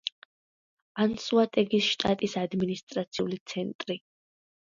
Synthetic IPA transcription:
ansuat̪ʼɛɡisʃt̪ʼat̪ʼisad̪minist̪ʼɾat̪sʰiulit̪sʰɛnt̪ʼɾi

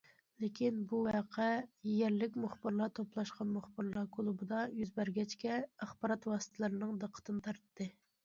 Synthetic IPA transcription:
lɪkʲʰinbuwɑqʰɛjɛɾlɪkʲmuχbɨɾlˠɑt̪ʰoplˠɑʃqɑnmuχbɨɾlˠɑkʰolˠubɨd̪ɑjyzbæɾɡʲɛt͡ʃkʲɛæχbɑɾɑt̪wɑːsə̥t̪ʰɨlˠɨɾɨnɨŋd̪əqʰə̥t̪ʰɨnɨt̪ʰɑɾt̪ʰːɨ

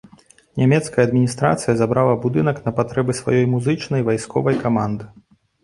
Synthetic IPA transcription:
nʲamʲɛt̪skɐjɐːd̪mʲinʲist̪ɾa̰t̪sɨjɐzabɾalˠɐbud̪ɨnɐknɐpat̪ɾɛbɨsva̰jɔjmuzɨt͡ʂnɐjvajskɔ̰vɐjkamand̪ɨ

